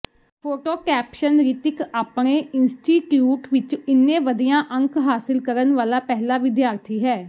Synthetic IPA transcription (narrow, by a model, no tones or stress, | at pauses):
pʰoːʈoːkɛːpʃənɾiːt̪ɪkaːpɳeːɪnsʈiːʈjuːʈʋɪt͡ʃɪnːẽːʋəd̪ijãːʔə̃ŋkɦaːsɪlkəɾənʋaːlaːpɛɦlaːʋɪd̪jaːɾt̪ʰiːɦɛː